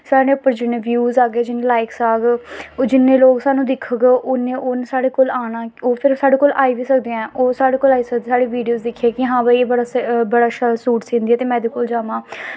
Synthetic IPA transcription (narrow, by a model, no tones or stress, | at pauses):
saːɽeːʊpəɾd͡ʒɪnẽːʋjuːzaːɡeɛːd͡ʒɪnẽːlaːɪksaːɡd͡ʒɪnːẽːloːɡsaːnũːd̪ɪkʰəɡʔonẽːʔoːnsaːɽeːkoːlaːɽ̃aːoːpʰɪɾsaːɖeːkoːlʔaːiːʋiːsəkd̪eːɛ̃ːʔoːsaːɽeːkoːlaːiːsək̚d̪ːsaːɽeːʋiːɖijoːzd̪ɪkʰːeːkɪɦãːbaieːbəɽaːsbəɽaːʃəlsuːʈsĩːnd̪iːɛːt̪eːmɛ̃ːd̪eːkoːld͡ʒaːmãː